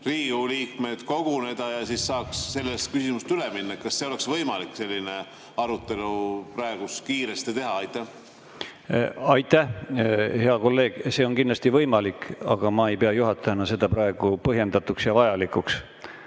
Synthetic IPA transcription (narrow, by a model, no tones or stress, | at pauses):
riːuliːkme̞d̪̥ko̞ɡ̥une̞d̪ɑjɑsissɑːksːe̞lːest̪̚kysimust̪yleminːɑet̪̚kɑsːeole̞ksvɤjmɑlikːse̞lʲːine | ɑɾut̪ːˑe̞lupɾɑeɡ̥uskiːɾest̪it̪e̞ɦɑɑjt̪ːˑæh | ɑjt̪ˑːæhhe̞ɑko̞lːe̞ːɡ̥se̞ːo̞nkind̪lɑst̪ivɤjmɑlikɑɡ̥ɑmɑe̞jpe̞ɑjuɦɑt̪ːˑɑɑnɑse̞d̪̥ɑpɾɑe̞ɡ̥upɤɦje̞nd̪ɑt̪uksjɑvɑjɑlikˑuks